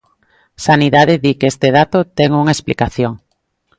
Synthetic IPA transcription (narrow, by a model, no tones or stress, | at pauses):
saniðaðɪðikest̪eðat̪ot̪ɛŋuŋaesplikaθjoŋ